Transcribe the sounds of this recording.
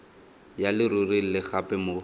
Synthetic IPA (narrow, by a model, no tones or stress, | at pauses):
jalɪrʊrilɪχapɛmo